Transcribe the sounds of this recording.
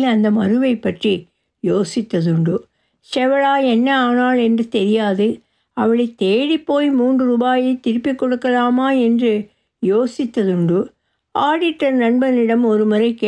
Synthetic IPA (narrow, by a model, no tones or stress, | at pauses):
lɐnd̪ɐmɐɾɯʋɐɪpːɐʈri | joːsɪt̪ːɐðɯɳɖɯ | sɛʋɐɭaːɛnːɐaːnaːlɛndrɯt̪ɛɾɪjaːðɯ | ɐʋɐɭɐɪt̪eːɽipːoːjmuːndrɯɾuːbaːjɐɪt̪ɪɾɯpːɪkːɔɽɯkːɐlaːmaːɛndrɯ | joːsɪt̪ːɐðɯɳɖɯ | aːɽɪʈːɐɾnɐɳbɐnɪɽɐmɔɾɯmʊɾɐɪkeː